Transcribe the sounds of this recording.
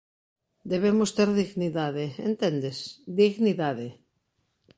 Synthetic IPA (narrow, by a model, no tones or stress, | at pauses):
d̪eβ̞emʊst̪eɾðiɣniðaðeḛnt̪end̪esd̪iɣniðaðe